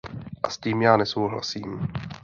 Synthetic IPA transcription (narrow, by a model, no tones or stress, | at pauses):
ʔasciːmjaːnɛso̞wɦla̰siːm